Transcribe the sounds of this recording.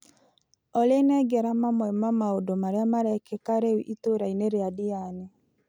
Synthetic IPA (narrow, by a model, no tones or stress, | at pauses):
ɔlenɛɡɛɾamamwɛmamaodomaɾeamaɾɛkɛkaɾewiʔitoɾaineɾeadiane